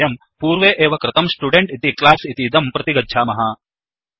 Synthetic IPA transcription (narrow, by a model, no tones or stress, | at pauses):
jɐm | puːɾʋeːʔeːʋɐkɾɪt̪ɐmsʈuɖeɳʈit̪iklaːsit̪id̪ɐmpɾɐt̪iɡɐdːʃʰaːmɐɦaː